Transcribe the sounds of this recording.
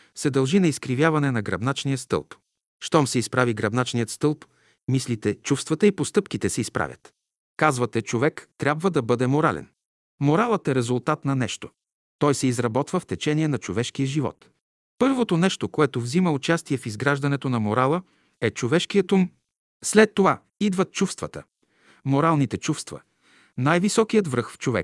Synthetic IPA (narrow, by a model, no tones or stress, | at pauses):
sɛd̪ɐlˠʒinɐiskɾivʲjavɐnɛnɐɡɾɐbnat͡ʃnijəst̪ɤ̰lˠp | ʃt̪ɔmsɛispɾaviɡɾɐbnat͡ʃnijət̪st̪ɤlˠp | mislit̪ɛt͡ʃufst̪vɐt̪əipost̪ɤpkit̪ɛsɛispɾa̰vʲjə̰t̪ | kazvɐt̪ɛt͡ʃovɛkt̪ɾʲabvəd̪ɐbɤd̪ɛmoɾa̰lɛ̰n | moɾalˠət̪ɛɾɛzʊlˠt̪at̪nɐnɛʃt̪o̥ | t̪ɔjsɛizɾɐbɔt̪vəft̪ɛt͡ʃɛniɛnɐt͡ʃovɛʃk̟ijəʒivɔ̰t̪ | pɤɾvot̪onɛʃt̪okoɛt̪ovziməʊt͡ʃast̪iɛfizɡɾaʒd̪ɐnɛt̪onɐmoɾalˠə | ɛt͡ʃovɛʃkijət̪um | slɛt̪ːova | id̪vɐt̪̚t͡ʃufst̪vət̪ə̰ | moɾalˠnit̪ɛt͡ʃufst̪və̰ | najvisɔkijət̪vɾɤxft͡ʃovɛ̰k